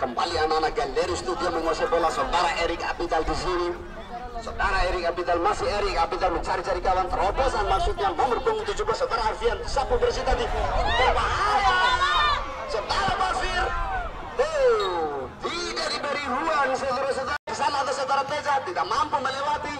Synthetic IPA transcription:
kəmbaliananakandɛɾikst̪udiaməŋɔsɛbolasad̪aɾaɛɾika̰pit̪ald̪isini | sədaɾaɛɾik̚apit̪almasiɛɾik̚apit̪alməɲt͡ʃaɾit͡ʃaɾikawant̪əɾɔbɛsanmaksut̪̚ɲamamərkoŋit̪̬ud͡ʒuɡasad̪aɾaafiansapunfərsit̪ad̪it̪ɔwaɦala | səd̪aɾamafir | e | d̪idadibəɾiɦuaŋsabɾas̬əd̪aɾaɡisanaːd̪asad̪aɾat̪ed͡ʒat̪idamampuməɲəlat̪i

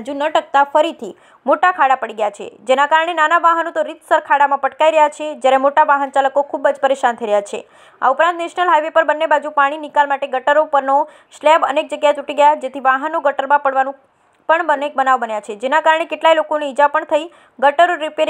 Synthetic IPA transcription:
d͡ʒunəʈək̚t̪afəɾit̪ʰi | moʈakʰaɽapəɽiɡəjat͡ʃʰḛd͡ʒenakaɾəɳ̃enanaʋaɦənot̪oɾit̪səɾkʰaɽamãpəʈkaiɾəɦjat͡ʃʰed͡ʒjaɾemoʈaʋaɦənt͡ʃaləkokʰubəd͡ʒpəɾeʃant̪ʰəiɾəjat͡ʃʰḛ | a̰upɾant̪neʃnəlɦajʋepəɾbənːebad͡ʒupaɽ̃inikalmaʈeɡəʈəɾopəɾno | ʃlɛbə̰nek̚d͡ʒəɡjaet̪uʈiɡəjad͡ʒet̪ʰiʋaɦənoɡəʈəɾmãpəɽʋanũ | pəɳbənek̚bənaʋbənjat͡ʃʰed͡ʒenakaɾəɳekeʈlailokoneid͡ʒapəɳt̪ʰəi | ɡəʈəɾoɾipeɾ

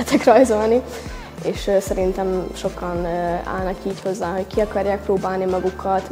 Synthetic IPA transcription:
ɛt̪ʰɛkrɒjzo̞lni | eːʃsɛɾint̪ɛmʃo̞kɒna̰ːlnɒkiːcho̞zːaːɦo̞ckiɒkɒrjaːk̚proːbaːlnimɒɡukʰːɒt̪

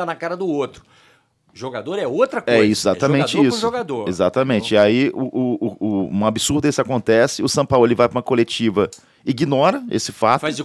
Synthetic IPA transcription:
anɐkaɾɐd̪ʊot̪ɾʊ | ʒoɡad̪oɾɛot̪ɾɐkɛisʊɪzat̪ɐmẽt͡ʃɪisʊʒoɡad̪oɾezat̪ɐmẽnt͡ʃɪiaiʔʊʔʊʊũmɐabisuɾd̪ɐesɪakõnt̪ɛsɪʊsɐ̃pawlelɪvajpɐũm̃ɐkolet͡ʃivɐ | iɡinɔɾɐḛsɪfa̰t̪az

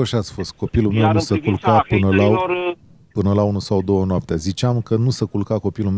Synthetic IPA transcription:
oʃat̪sʲfo̞st̪̚ko̞pilume̞wnusəkulkapɨnəla | pɨnəlaunusawd̪o̞wənoap̚t̪eazit͡ʃeamkənusəkulkako̞pilum

